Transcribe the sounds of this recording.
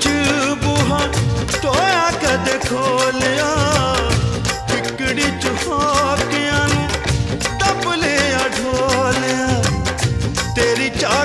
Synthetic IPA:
t͡ʃubuɦãːʈoːjãːkɐd̪eːkʰolɪjãː | pʰɪkɽiːt͡ʃʊhoːkɪjãːnũ | t̪ɐbʊlejãːɖʱoːlɪjãː | t̪eːɾiːt͡ʃaː

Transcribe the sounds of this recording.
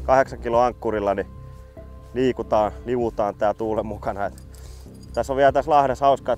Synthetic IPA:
kɑheksɑŋkiloɑŋkːurilːɑni | liːkut̪ɑːliʋut̪ɑːnt̪æːt̪uːlemmukɑnɑet̪ | t̪æsːoʋiælt̪æslɑhɾɑshɑuskɑe

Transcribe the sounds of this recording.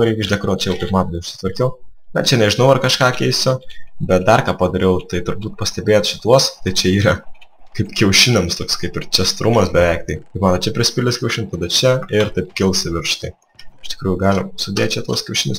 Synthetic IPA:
ɾʲɛɪkɪʃd̪ʲɐkɾoːt͡ʃʲɛjɛʊkɐɪpmɑːt̪oʊʃʲsʲɪ̥t̪ʋɐɾʲkʲɛʊbɐt͡ʃʲɛnʲɛʒʲɪnɐʊɐrkɐʃkɑːkʲɛɪsʲʊbʲɛt̪̚d̪ɐrkɑːpɐd̪ɐɾʲɛʊt̪ɐɪt̪ʊɾbuːt̪̚pɐsʲt̪ʲɛbʲeːjt̪ʃʲɪt̪uɔst̪ɐɪt͡ʃʲɛiːɾɐkɐɪpkʲɛʊʃʲɪnʲɛmst̪oːkskɐɪpɪɾt͡ʃʲɛst̪ɾʊmɐsbʲɛʋʲɛɪk̚t̪ɐɪkɐɪpmɑːt̪ɐt͡ʃʲɛpʲɾʲɪsʲpʲɪlʲɪskʲɛʊʃʲɪnt̪ɐd̪ɐt͡ʃʲɛɪɾt̪ɐɪpkʲɪlˠsʲɪʋʲɪɾʃt̪ɐɪ | ɪʃt̪ʲɪ̥kɾuːjʊɡɑːlʲɪmsʊd̪ʲeːt̪ʲt͡ʃʲɛt̪uɔskʲɛʊʃʲɪnʲɪs

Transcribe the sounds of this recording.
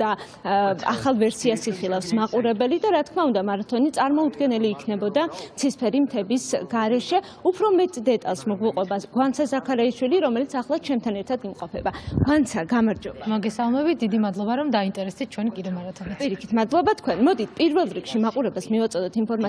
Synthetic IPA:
d̪a | a̰χalˠvɛɾsiasiχilˠafsmaqʼuɾɛbɛlid̪aɾat̪̚ʰkʰmaund̪amaɾat̪ʰɔnit̪sʼaɾmɔud̪ɡɛnɛliːkʰnɛbɔd̪at̪sʰispʰɛɾimt̪ʰɛbisɡaɾɛʃɛ | upʰɾɔmɛt̪ʼd̪ɛt̪ʼa̰lˠsmɔɡwiqʼwɛbaɡwant̪sʰazakʰaɾaiʃwiliɾɔmɛlit̪sʰaχlˠat͡ʃʰɛmt̪ʰanɛɾt̪ʰad̪imqʼɔpʰɛbaɡ̥want̪sʰaɡamaɾd͡ʒɔbamɔɡɛsalˠmɛbit̪̚d̪id̪imad̪lˠɔbaɾɔmd̪aint̪ʼɛɾɛsd̪it̪̚t͡ʃʰwɛnikʼid̪ɛmaɾat̪ʰɔnipʼiɾikʰit̪ʰmad̪lˠɔbat̪ʰkʰwɛnmɔd̪it̪ʰpʼiɾvɛlˠɾikʃimaqʼuɾɛbɛsmivat̪sʼɔd̪ɛt̪ʰinpʰɔɾma

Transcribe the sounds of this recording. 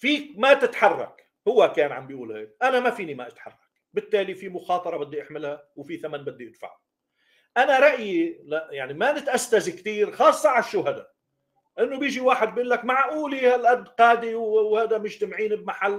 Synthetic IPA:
fiːkmat̪ɪt̪ħɑrˤːɑ̰k | hʊwːakeːnʕa̰mbijʔuːlhḛːkʔanamafiːnimaʔɪt̪ħɑ̰rˤːɑk̚ | bɪt̪ːeːlifimʊxɑːt̪ˤɑɾˤɑbɪd̪ːiʔɪħmɪlha | wfiθamanbɪd̪ːiʔɪd̪fa̰ʕa | ʔanaɾˤɑʔjilaʔjaʕnimanɪt̪ʔast̪azikt̪iːɾxɑːsˤːɑʕalʃːuhad̪a | ʔɪnːobjiːʒiwaːħɪd̪̚bʔʊlːakmaʕʔuːlihalʔad̪ːqɑːd̪iwwhaːd̪amʊʒt̪amʕiːnɪbmaħalː

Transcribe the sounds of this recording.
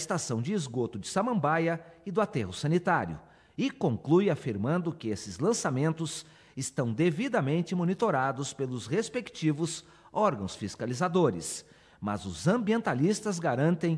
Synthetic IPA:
ɪst̪asɐ̃w̃d͡ʒɪːzɡot̪ʊd͡ʒɪsamɐ̃mbajɐɪd̪ʊat̪ɛɦʊsɐ̃nit̪aɾjʊ̰ | ɪkõŋklujafiɾmɐ̃nd̪ʊkɪesɪzlɐ̃samẽnt̪ʊs | ɪst̪ɐ̃w̃d̪evid̪ɐmẽnt͡ʃɪmonit̪oɾad̪ʊspelʊzhespekt͡ʃivʊs | ɔɾɡɐ̃w̃sfiskalizad̪oɾɪ̰s | mɐ̰zʊzɐ̃mbiẽnt̪alist̪ɐzɡaɾɐ̃nt̪ẽj̃

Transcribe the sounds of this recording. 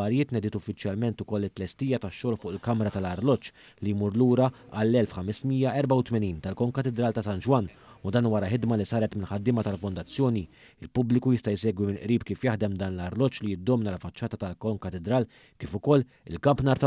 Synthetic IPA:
ɐɾjɪːt̪nɛd̪ɪt̪ʊfːɪt͡ʃjɐlmɛnt̪ʊkɔlːɪt̪ːlɛst̪iːjɐt̪ɐʃːɔːlfʊːʔɪlkɐmɾɐt̪ɐlɐɾlɔt͡ʃː | lijmuːɾluːɾɐɐlːɛlfħɐmɪsmijɐʔɛɾbɐwt̪mɛniːnt̪ɐlkɔŋkɐt̪ɛd̪ɾɐːlt̪ɐsɐnd͡ʒwɐnː | ʊd̪ɐːnwɐɾɐħɪd̪mɐlisɐːɾɛt̪mɪlħɐd̪ːɪːmɐt̪ɐlfʊnd̪ɐt͡sːjɔːni | ɪlpʊblɪkujɪst̪ɐjsɛːɡwimɪnʔɾiːpkiːfjɐħd̪ɛmd̪ɐːnlɐɾlɔt͡ʃːlijɪd̪ːɔːmnɐlɐfːɐt͡ʃːɐːt̪ɐt̪ɐlkɔŋkɐt̪ɛd̪ɾɐːl | kiːfʊkɔlː | ɪ̰lkɐmpnɐːɾt̪ɐ

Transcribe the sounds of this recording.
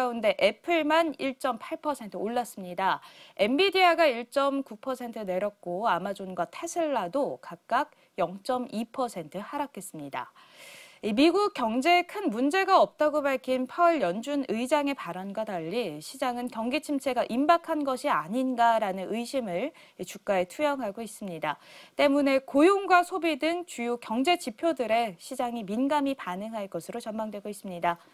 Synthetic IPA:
aunde̞ʔe̞pʰɯɭmaniɭt͡ɕ͈ʌmpʰaɭpʰʌsʰe̞ntʰɯoɭːas͈ɯmɲidae̞mbidiaɡaiɭt͡ɕ͈ʌmkupʰʌsʰe̞ntʰɯne̞ɾjʌt̚k͈oamad͡ʑonɡwatʰesʰɯɭːadokak̚k͈ak̚ | jʌŋt͡ɕ͈ʌmipʰʌsʰe̞ntʰɯhaɾak͈ʰe̞s͈ɯmɲida̰ | imiɡuk̚k͈jʌŋd͡ʑe̞kʰɯnmund͡ʑe̞ɡaʌp̚t͈aɡobaɭkʰinpʰaɭjʌnd͡ʑunʔɯjd͡ʑaŋe̞paɾʌnɡwataʎːiɕʰid͡ʑaŋɯnkjʌŋɡit͡ɕʰimt͡ɕʰe̞ɡaʔimbakʰanɡʌɕʰiaɲinɡaɾanɯnɯjɕʰimɯɭ | it͡ɕuk̚k͈ae̞tʰujʌŋɦaɡois͈ɯmɲidat͈e̞mune̞kojoŋɡwasʰobidɯŋt͡ɕujukjʌŋd͡ʑe̞t͡ɕipʰjodɯɾe̞ɕʰid͡ʑaŋiminɡamipanɯŋɦaɭk͈ʌsʰɯɾot͡ɕʌnmaŋdwe̞ɡois͈ɯmɲida

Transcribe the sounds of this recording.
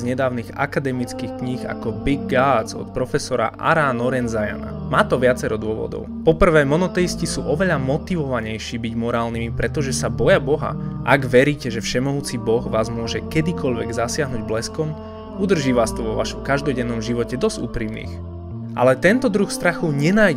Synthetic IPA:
zɲɛd̪aːʊniɣa̰kad̪ɛmit͡skixkɲixa̰kɔbiɡːaːd͡zɔ̰t̪̚pɾɔfɛsɔɾa̰ʔa̰ɾaːnɔɾɛnzaja̰na̰maːt̪ɔʋɪat͡sɛɾɔd̪ʊɔʋɔ̰d̪ɔ̰ʊpɔpr̩ʋɛːmɔnɔt̪ɛjiscisṵːʔɔʋɛʎamɔt̪iʋɔʋaɲɛjʃiːbiɟmɔɾaːlnimipɾɛt̪ɔʒɛsabɔjabɔɦa̰ʔaɡʋɛɾiːcɛʒɛfʃɛmɔɦuːt͡sibɔɣʋaːzmʊɔʒɛkɛd̪ikɔʎʋɛ̰ɡzasɪaɦnuːɟblɛskɔm | ud̪r̩ʒiːʋaːst̪ɔʋɔʋa̰ʃɔmkaʒd̪ɔɟɛnːɔmʒiʋɔcɛd̪ɔzɟṵːpɾiːmnḭːx | ʔa̰lɛt̪ɛnt̪ɔd̪ɾuxst̪ɾaxuɲɛnaj

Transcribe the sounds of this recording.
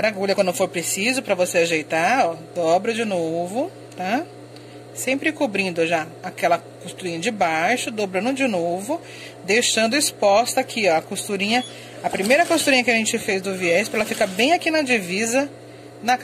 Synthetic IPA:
ɾaɡuʎɐkwɐ̃d̪ʊ̃foɾpɾesizʊpɾɐvoseaʒejt̪aɔd̪ɔbɾɐd͡ʒɪnovʊ | t̪a | sẽmpɾɪkobɾĩnd̪ʊʒaakɛlɐ | kost̪uɾĩɲɐd͡ʒɪbajʃʊd̪obɾɐ̃nd̪ʊd͡ʒɪnovʊ | d̪ejʃɐ̃nd̪ʊɪspɔst̪ɐkʰɪɐkost̪uɾĩɲɐ | ɐpɾimejɾɐkost̪uɾĩɲɐkɪɐʒẽnt͡ʃɪfejzd̪ʊviɛspɾkɛlɐfikɐbẽj̃akinɐd͡ʒivizɐ | nɐk

